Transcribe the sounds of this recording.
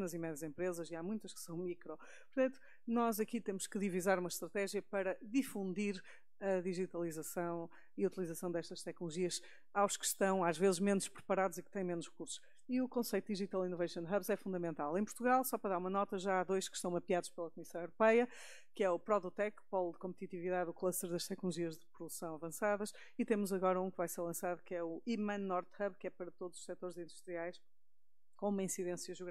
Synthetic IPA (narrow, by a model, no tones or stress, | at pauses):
nɐzimɛðɐzẽmpɾezɐziamũj̃t̪ɐʃksɐ̃w̃mikɾɔ | pʊɾt̪ɐ̃nt̪u̥ | nɔzɐkit̪emʊʃkɨðivizaɾumɐʃt̪ɾɐt̪ɛʒjɐpɐɾɐðifũnd̪iɾ | ɐðiʒit̪ɐlˠizɐsɐ̃w̃ | iɐut̪ilˠizɐsɐ̃w̃d̪ɛʃt̪ɐʃt̪ɛknulˠuʒiɐʃ | awʃkɨ̥ʃt̪ɐ̃w̃aʒvezɨʒmenuʃpɾɨpɐɾaðuzik̚t̪ɐ̃j̃menuʃʁɨkuɾsu̥ʃ | iukõsejt̪uðiʒit̪alˠinuvɐjʃɐ̃nd̪ʁɐβzɛfũnd̪ɐmẽnt̪alˠẽj̃puɾt̪uɣalˠsɔpɾɐðaɾumɐnɔt̪ɐʒaaðojʃkɨ̥ʃt̪ɐ̃w̃mɐpiaðuʃpelˠɐkumisɐ̃w̃ewɾupɛjɐ | kɨɛupɾɔðut̪ɛkpɔlˠd̪ɨkõmp̚t̪it̪iviðaðuklˠɐʃt̪ɛɾðɐʃt̪ɛknulˠuʒiɐʒðɨpɾuðusɐ̃w̃ɐvɐ̃saðɐʃ | it̪emuzɐɣɔɾɐũkɨvajseɾlˠɐ̃saðukɛuimɐ̃nːɔɾt̪hɐβkɛpɐɾɐt̪oðuzuʃsɛt̪oɾzĩnd̪uʃt̪ɾiajʃ | kõumɐĩsiðẽsjɐʒuɣa